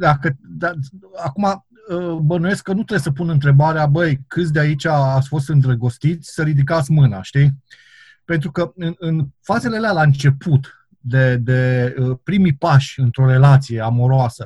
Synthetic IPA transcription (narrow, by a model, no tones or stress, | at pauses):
d̪akəd̪aakuma | əbənuje̞skːənut̪ɾebjesəpunɨnt̪ɾe̞baɾeabəjkɨt̪sʲd̪eait͡ʃʲaːt̪sʲfo̞st̪ɨnd̪ɾəɡo̞st̪it̪sʲsəɾid̪ik̬at̪sʲmɨna̰ʃt̪i | pe̞nt̪ɾukəɨnɨnfaze̞lelealaɨnt͡ʃe̞put̪ | d̪e̞d̪e̞əpɾimipaʃʲɨnt̪ɾo̞ɾe̞lat̪sije̞amo̞ɾoasə